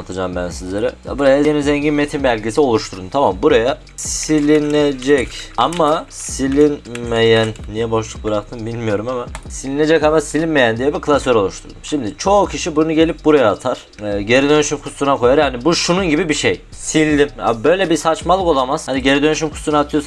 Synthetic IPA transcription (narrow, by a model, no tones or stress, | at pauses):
at̪ʰad͡ʒaːmbænsizlʲeɾɛ̰ja̰buɾajaenizɛɲɟinmet̪ʰinbælʲɟʲisio̞lˠuʃt̪ʰuɾd̪umt̪ʰamambuɾaja | ssilʲined͡ʒɛcamasilʲinmejænːijɛbo̞ʃlˠuk̚bɯɾak̚t̪ʰɯmbilʲmijo̞ɾumamasilʲine̞d͡ʒɛcamasilʲinmejænd̪ijɛbikʰɯlˠasøɾo̞lˠuʃt̪ʰuɾd̪umʃimd̪it͡ʃʰo̞ːcʰiʃibunuɟe̞lʲip̚buɾajaːt̪ʰaɾ̥ | ɛɟe̞ɾid̪ø̞nyʃymkʰust̪ˠunakʰo̞jaɾjaːnibuʃununɟibibiʃejsilʲd̪ima̰bbø̞jlʲɛbisat͡ʃmalˠɯko̞lˠamaz̥haniɟe̞ɾid̪ø̞nyʃ̬ymkʰu̥sunat̪ʰɯjos